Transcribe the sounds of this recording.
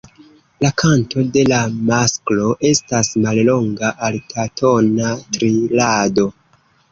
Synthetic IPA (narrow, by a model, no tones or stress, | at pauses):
lakʰantʰo̞de̞lamasklo̞ʔe̞stasmallo̞ŋɡaʔaltʰatʰo̞natɾilado̞